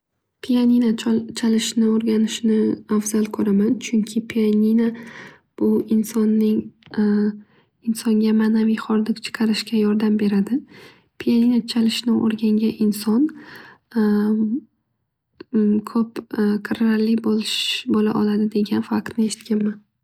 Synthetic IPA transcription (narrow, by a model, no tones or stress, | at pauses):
pʰijaninat͡ʃʰalɪʃnɪoɾɡʲanɪʃnɪafz̥alˠkʰɵɾamant͡ʃʰʊŋkʲʰɪpʰianʲina | b̥ʊɪnsɒnːɪŋ | ɪnsɒŋɡʲamaːnavijχɒɾd̪ɪkt͡ʃʰɨ̥qʰɑɾɪʃkʲajɒɾd̪ambe̞ɾad̪ɪ | pʰijaninat͡ʃʰalɪʃnɪʔo̰ɾɡʲaŋɡʲaʔɪnsɒn | kʰɵpkʰɨɾalːɪbolɪʃbolaʔɒlad̪ɪd̪e̞ɡʲanfaq̚t̪nɪe̞ʃɪ̥t̪̚kʲʰanman